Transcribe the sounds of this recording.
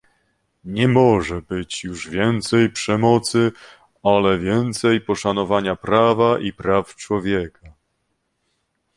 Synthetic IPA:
ɲɛmɔʐɛbɘt͡ɕjuʐvʲjɛnt̪sɛjpʂɛmɔt̪sɘ | alɛvʲjɛnt̪sɛjpɔʂanɔvaɲapɾavaʔipɾaft͡ʂwɔvʲjɛka

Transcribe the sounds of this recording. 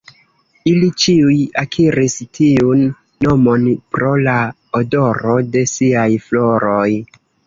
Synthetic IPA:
ilit͡ʃiujakʰiɾistʰiunː | omo̞npɾo̞la | odo̞ɾo̞de̞siajflo̞ɾo̞j

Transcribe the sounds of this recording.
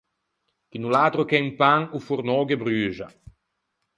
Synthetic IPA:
kinulaːt̪ɾokɛŋpaŋufurnɔːɡebɾyːʒa̰

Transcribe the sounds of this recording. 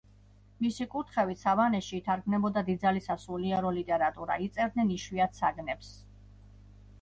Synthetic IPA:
misikʼut̪ʰχɛvit̪savanɛʃiːt̪ʰaɾɡmnɛbɔd̪ad̪id̪zalisasuliɛɾɔlit̪ʼɛɾat̪ʼuɾa̰it̪sʼɛɾd̪̚nɛniʃwiat̪ʰsaɡnɛps

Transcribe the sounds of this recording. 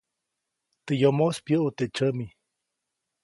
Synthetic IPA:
t̪əjomospjəʔut̪et͡ʃəmi

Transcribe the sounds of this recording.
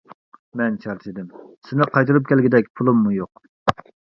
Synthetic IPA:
mɛnt͡ʃʰɑɾt͡ʃ̪ʰɪd̪ɪmsɪnɪqʰɑjt̪ɨɾup̚kʲʰɛlɡʲid̪ɛkʲpʰulˠumːujoq

